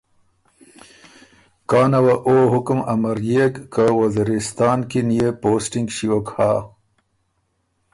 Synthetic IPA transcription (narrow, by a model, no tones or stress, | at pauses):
kɑːnawaʔoːɦʊkmɐmaɾjekːawɐziɾist̪ɑːnkinijepoːsʈiŋɡɕiwokhaː